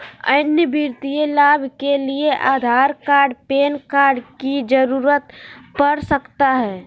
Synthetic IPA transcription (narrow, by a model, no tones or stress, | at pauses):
ə̰njəbiɾt̪ijelabʱkelieʔaːd̪ʱaɾkaɾɖpeːnkaɾɖkid͡ʒəɾuɾət̪pəɾsəkt̪aɦɛː